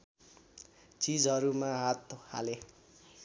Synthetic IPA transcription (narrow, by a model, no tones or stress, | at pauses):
t͡sid͡zɦʌɾumaɦat̪oha̰le